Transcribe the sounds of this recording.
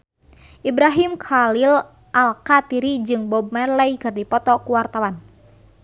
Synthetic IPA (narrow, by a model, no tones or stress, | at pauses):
ʔibɾaɦimkʰalil | ʔalkat̪iɾid͡ʒɨŋbɔb̚mɛrlɛikɨrdipɔt̪ɔkuwart̪awan